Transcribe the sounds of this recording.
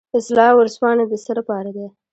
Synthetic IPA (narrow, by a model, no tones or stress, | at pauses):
ɪslɑwəɾspɑned̪əsəlapɑɾad̪e